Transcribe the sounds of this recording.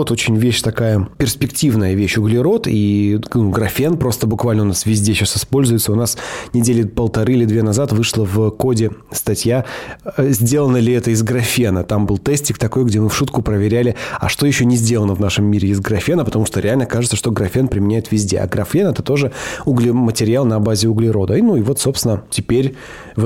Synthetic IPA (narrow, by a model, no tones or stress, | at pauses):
ot̪o̞t͡ɕɪnʲvʲeɕt̪ɐkajəpʲɪrspʲɪktʲivnəjəvʲeɕʊɡlʲɪɾo̞t̪inuɡɾɐfʲenpɾo̞st̪əbʊkvalʲnəʊnasvʲɪzʲdʲeɕasɨspo̞lʲzʊjɪt̪səʊnasnʲɪdʲelʲɪpəlˠt̪ɐɾɨɪlʲɪd̪vʲenɐzat̪vɨʂlˠəvko̞dʲɪst̪ɐtʲjaəzʲdʲe̞lˠənəlʲɪɛt̪əɪzɡɾɐfʲenət̪ambɨlˠt̪ɛsʲtʲɪkt̪ɐko̞jɡdʲemɨfʂut̪kʊpɾəvʲɪɾʲælʲɪɐ̰ʂt̪ojɪɕːonʲɪzʲdʲelˠənəvnaʂɨmːʲiɾʲɪɪzɡɾɐfʲenəpət̪ɐmuʂt̪oɾʲɪalʲnəkaʐɨt̪səʂt̪o̞ɡɾɐfʲe̞npɾʲɪmʲɪnʲæjɪt̪vʲɪzʲdʲe̞̰ɐ̰ɡɾɐfʲenɛt̪ə̥t̪o̞ʐɨʊɡlʲɪmətʲɪɾʲɪalˠnɐbazʲɪʊɡlʲɪɾo̞d̪ənuivo̞t̪so̞pst̪ʲɪnətʲɪpʲeɾʲ | v